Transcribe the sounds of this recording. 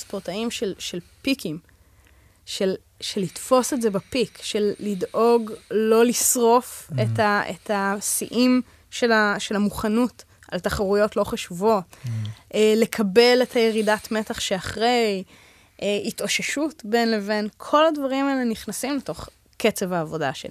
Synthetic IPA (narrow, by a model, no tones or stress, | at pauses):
spoʁtaimʃelʃelpikim | ʃel | ʃelitfo̞setzebapikʃelːidʔo̞ɡlo̞lisʁo̞fetaetasḭʔim | ʃelaʃe̞lamuχanut | altaχaʁujo̞tlo̞χaʃuvo̞tʔele̞kʰɐbe̞letʰhajeʁidatme̞taχʃeaχʁe̞j | ʔeitoʃeʃutbe̞nleve̞nkʰo̞ladvaʁimaɛleniχnasimleto̞χ | ke̞t͡se̞vaːvo̞da̰ʃḛ